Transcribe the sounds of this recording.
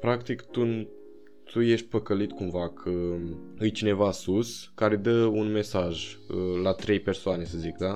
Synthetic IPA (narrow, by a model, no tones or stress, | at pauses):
pɾakt̪ikt̪un | t̪ʰuje̞ʃt̪̚ʲpəkəlit̪kumvakʰəɨjt͡ʃine̞vasuskaɾed̪əunme̞saʒəlat̪ɾe̞jpe̞rsoane̞səzikd̪a